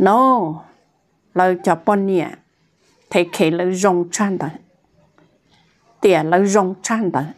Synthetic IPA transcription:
no˨˦ | lə˧˩t͡ɕɔ˨˧pɔ˧ni˧a̰˨ | t̪ʰe˨˦kʰe˨˦lə˧˦zo˧ŋt͡ʃa˧nt̪ə˨ | t̪i˧˨ə˨lə˧˦zo˧ŋt͡ʃa˧nt̪ə˨

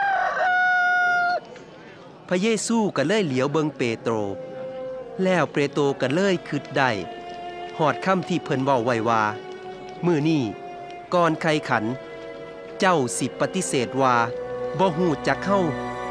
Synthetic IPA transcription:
pʰa˧jeː˧˨suː˧˩ka˧˩lɤː˥˨jli˨˦əwbɤ˧ŋpeː˧t̪ɾoː˧ | lɛː˧˩˨wpɾeː˧t̪oː˧ka˧˩lɤː˧˥˨jkʰɯ˧˦t̪̚da˧˩j | hɔː˨˩t̪̚kʰa˧˥˨mt̪ʰiː˧˩pʰɤ˧˥nwa˧˩wːa˧˩jwaː˧ | mɯː˧˩niː˧˩ | kɔː˧nkʰa˧jkʰa˩˦n | t͡ɕa˧˥˩wsi˨˧˦pːa˧t̪i˧˥˨seː˨˩t̪̚waː˧bɔː˧˦ɦuː˧˩t͡ɕaː˧˦k̚ha˧˥˩w

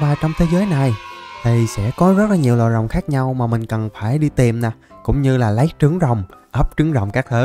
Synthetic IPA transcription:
vaː˨˩t͡ɕɔ˧wŋ͡mt̪ʰe˨˦zəː˨˦jna˨˩jɗə˨˩jsɛ̰˧˥kɔ˨˦zə˦˥t̚laː˨˩ɲi˨˩wlɔ̰ː˧˨jzə̰˨˩wŋ͡mxaː˦˥k̚ɲa˧wmaː˨˩mï˨˩ŋ̟kə˨˩nfaː˧˩jɗi˧t̪i˨˩mna˨˩kʊ̰˧˥wŋ͡mɲɨ˧laː˨˩lə˨˦jt͡ɕɨ˨˦əŋzə˨˩wŋ͡mʔəː˦˥p̚t͡ɕɨ˨˦ŋzə̰˨˩wŋ͡mkaː˦˥k̚t̪ʰəː˨˦

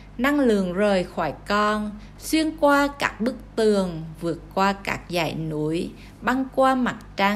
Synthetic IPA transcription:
na˧ŋlɨ̰˨əŋzəː˨˩jxɔ˧˩jkɔ˧n | swi˧ənkwaː˧kaː˦˥k̚ɓɨ˦˥k̚t̪ɨ˨˩əŋvɨ˨˩ət̚kwaː˧ka̰ː˦˥k̚za̰ː˧˩jnu˨˧˦əj | ɓa˧nkwaː˧ma˨˩t̚t͡ɕa˧

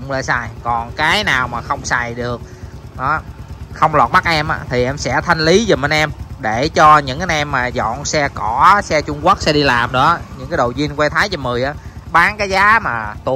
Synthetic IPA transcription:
ŋ͡mlə̰˧˩jsaː˧˩jkɔ˨˩nkaː˨˦jnaː˨˩wmaː˨˩xə˧wŋ͡msa˨˩jɗɨ˨˩ək̚ | ɗɔ˨˦xə˧wŋ͡mlwaː˨˩t̚ma˦˥k̚ʔɛ˧mʔaː˨˦t̪ʰi˨˩ʔɛ˧msɛ̰˧˥t̪ʰa˧jŋ̟li˨˦zə˨˩mɓə˧˩nʔɛ˧mɗe˧˩t͡ɕɔ˧ɲɨ̰˧˥ŋʔa˨˧˦nʔɛ˧mːaː˨˩zɔ̰˧˨nsɛ˧kɔ˧˩sɛ˧t͡ɕʊ˧ŋ͡mkwu˦˥k̚sɛ̰˧ɗi˧laː˨˩mɗɨ̰˧˥əɲɨ̰˧˥ŋkaː˨˦jɗo̰˧˨˩wzi˧ənkwɛ˧jt̪ʰaː˨˦jzə˧mɨ˨˩əjʔaː˨˦ | ɓaː˨˦ŋkaː˨˦jzaː˨˦maː˨˩t̪u˧˩˨

